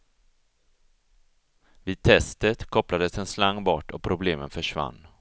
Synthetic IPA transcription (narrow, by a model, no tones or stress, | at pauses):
viːd̪̚t̪ʰɛst̪ət̪kʰɔplad̪əsɛnslaŋːbɔʈːɔk̚pʰɾʊbleːmənfœʂva̰nː